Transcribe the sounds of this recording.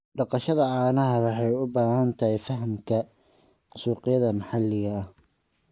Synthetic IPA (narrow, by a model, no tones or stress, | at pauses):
ɖɑqɑʃɐðɐʕɑːnɐɦɐwɑħɑjʊbaːhɐnt̪ʰɐɦɛjfɐɦmkʰɐ | suːqɪjɐðɐmɑħɑlːɪɣɐːh